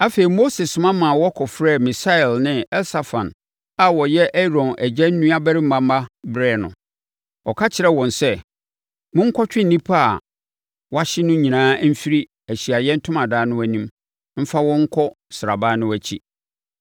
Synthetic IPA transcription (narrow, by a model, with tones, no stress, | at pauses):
a˦fe˨ɾi˨mo˦se˨ssʊ̃˨mã˦mã˨wɔ˦kʰɔ˨fɾɛ˦˨mɪ˨sa˦ɛ˨lnɪ̃˦ɛ˦lsa˨fã˨n | a˨wɔ˨jɛ˦ʔɛ˦ɾɔ̃˨nʔæ˨d͡ʑɛ˦n̩˦nũ˦a˦bɛ˦ɾɪ˦mã˦m˦a˦bɾɛː˦˨nʊ̰̃˨ | ɔ˨kʰa˦t͡ɕʰɪ˨ɾɛ˦wɔ̃˨nsɛ˦ | mʊ̃˦ŋ̩˦kʰɔ˦t͡ɕᶣɪ˦n̩˨nĩ˦pʰa˦˨ | wɔ˦a˦ɕɪ˦nʊ̃˦ɲĩ˨nãː˦m̩˦fi˦ɾi˦ | æ˨ɕi˨a˨jɛ˦n̩˦tʰʊ̃˦mã˨daː˨˦nʊ̃˦æ˨nĩ˦m | m̩˦fa˦wɔ̃˦ŋ̩˦kʰɔ˦ | sɪ˨a̰˨ba˦nʊ̃˦wæ˨t͡ɕʰḭ˦